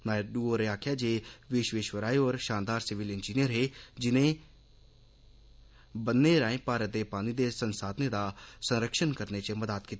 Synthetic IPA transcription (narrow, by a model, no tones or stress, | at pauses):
naːɖuːoːɾeːaːkʰjaːd͡ʒeːʋɪʃʋeːʃwəɾaːioːɾʃaːnd̪aːɾsɪʋɪlɪnd͡ʒiːnijəɾɦeːd͡ʒɪnẽː | bənːeːɾãːẽːpaːɾət̪̚d̪eːpaːniːd̪eːsənsaːd̪neːd̪aːsənɾəkʃənkəɾneːt͡ʃəməd̪aːt̪kiːt̪ː